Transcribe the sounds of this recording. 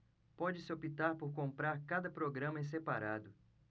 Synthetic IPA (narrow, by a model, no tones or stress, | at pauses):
pɔd͡ʒɪsɪopit̪aɾpoɾkõmpɾaɾkad̪ɐpɾoɡɾɐ̃mɐẽs̬epaɾad̪ʊ